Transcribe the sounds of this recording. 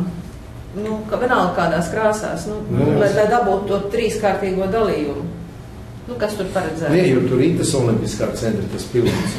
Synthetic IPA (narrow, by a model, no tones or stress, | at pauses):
nukaʋʲɛnalˠkaːd̪aːskɾaːsa̰ːsnunulajlajd̪abuːt̪t̪ːuɔt̪ɾiːskaːɾt̪iːɡuɔd̪alˠiːjumʊ | nukast̪uɾpaɾɛd̪zæːnɛjuɾt̪uɾit̪asɔlˠimpt̪ʲiskaːsɛnt̪ɾit̪aspilˠd̪ims